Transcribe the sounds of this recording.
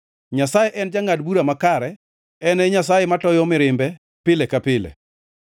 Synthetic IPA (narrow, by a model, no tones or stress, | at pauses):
ɲasajeʔɛnd͡ʒaŋadbuɾamakaɾɛ | ɛnɛɲasajɛmatɔjɔmɪɾɪmbɛ | pɪlɛkapɪlɛ̰